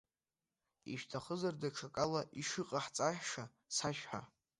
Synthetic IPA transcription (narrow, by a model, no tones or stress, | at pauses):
iʃtʰaχəzardaʈ͡ʂʰakʼalaʔiʂɨqʼaħt͡sʼaħʂa | saʃħa